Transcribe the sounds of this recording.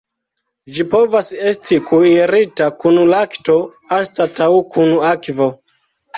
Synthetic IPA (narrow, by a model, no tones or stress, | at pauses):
d͡ʒipo̞vase̞stikʰuiɾitakunulakto̞ | anstatawukʰunakvo̞